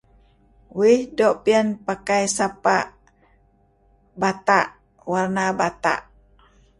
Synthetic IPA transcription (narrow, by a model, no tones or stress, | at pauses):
wihdɔʔpiənpakajsapaʔ | bat̪aʔ | warnabat̪a̰ʔ